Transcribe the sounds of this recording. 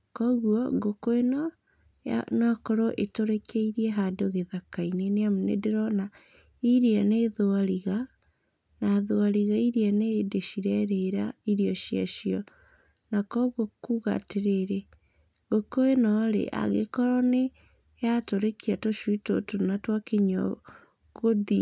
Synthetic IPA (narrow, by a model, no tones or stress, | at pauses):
kɔɣwɔɡokoenɔ̰ | nakoɾoʔetoɾekeiɾieɦadoɣeðakaineneamonḛdeɾɔna | iɾianeðoaɾiɣa | naðoaɾiɣaiɾianedeʃiɾɛɾeɾaiɾiɔʃia̰ʃjɔ | nakɔɣokuɣa̰teɾeɾe | ɣokoenɔɾḛʔa̰ɣḛkɔɾɔne | jatoɾekiatoʃwuito̰tonatwakeɲɔ̰ | ɣoði